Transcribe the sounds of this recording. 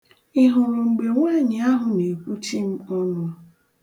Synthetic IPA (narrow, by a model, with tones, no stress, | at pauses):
ɪ˦ɦʊ˨ɾʊ˨ŋ͡m̩˨ɡ͡be˨ŋʷa˦˨ɲɪ˨a˦ɦʊ˦ne˨kʷu˦ti˦˨m̩˦ɔ˦nʊ˨˦a˦